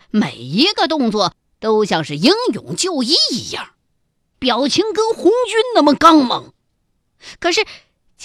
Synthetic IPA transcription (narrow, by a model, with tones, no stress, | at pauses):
me˨˩ɪi˧˥ɡə˧t̪ʊ˥˧ŋt͡swɔ˥˩ | t̪o˥ʊɕjɑ˥˧ŋʂɻ̩˥˩ji˥ŋjʊ̰˨˩ŋt͡ɕjo˥˧ʊi˥˩i˧˥jɑ̰˥˩ŋ | pjɑ˨˩ʊt͡ɕʰi˧˥ŋkə˥nxʊ˧˥ŋt͡ɕy˥nna˥nmə˨˩kɑ˥ŋmɤ̰˨˩˦ŋ | kʰɤ˨˩ʂɻ̩˥˩ | t͡ɕ